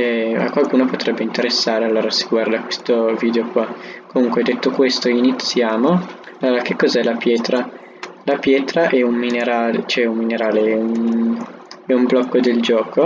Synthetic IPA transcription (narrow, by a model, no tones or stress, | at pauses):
ɛa̰kːwalkuːnopot̪ɾɛbːeint̪eɾesːaːɾealːoːɾasi̥ɡward̪akwest̪oviːd̪eokwakomuŋkwed̪et̪ːokwest̪oinit̪sːjaːmo | alːoːɾak̟ekːɔzɛlapjɛːt̪ɾa | lapjɛːt̪ɾaʔɛummineɾaːlet͡ʃoɛummineɾaːleɛun | ɛumblɔkːod̪eld͡ʒɔːko